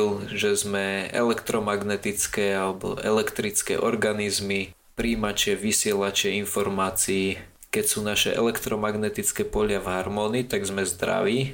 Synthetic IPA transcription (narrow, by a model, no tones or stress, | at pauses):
lʒɛzmɛɛ̰lɛkt̪ɾɔmaɡnɛt̪it͡skɛːalɛbɔ̰ʔɛlɛkt̪ɾit͡skɛ̰ːʔɔɾɡanizmi | pɾiːmat͡ʃɪɛʋisɪɛlat͡ʃɪɛinfɔɾmaːt͡siː | kɛcsuːnaʃɛ̰ʔɛ̰lɛkt̪ɾɔmaɡnɛt̪it͡skɛpɔʎɪavɦaɾmɔːniːt̪aɡzmɛzd̪ɾa̰ʋiː